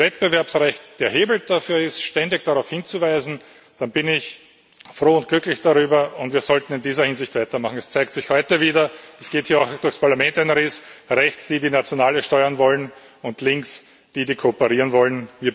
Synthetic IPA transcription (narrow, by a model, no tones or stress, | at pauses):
vɛt̚b̥əvɛɐpsʁɛçt̚d̥eːɐɦeːbl̩d̥afyːɐɪstʃtɛndɪç̚d̥aʁɑʊfhɪnt͡suvæɪzn̩ | d̥anbɪnɪç | fʁoːʊnt̚ɡ̥lʏklɪçd̥aʁyːbɐʊntv̥iːɐzɔltn̩ɪndiːzɐhɪnzɪçtvaɪtɐmaχŋ̩ɛst͡sæɪk̚tsɪçhɔʏtəviːdɐɛsɡ̥eːthiːɐaʊxd̥ʊɐçspʰaɐlamɛntɛnʁesʁɛçt͡sd̥iːdiːnat͡sjonaːləʃtɔʏɐnvɔlən | ʊntlɪŋks | d̥iːdiːkʰopəʁiːʁənvɔlənviːɐ